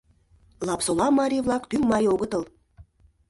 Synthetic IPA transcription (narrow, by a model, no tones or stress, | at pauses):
lˠɑpsolˠɑmɑɾʲivlˠɑkt̪yŋmɑjoɣə̆t̪ɤ̆lˠ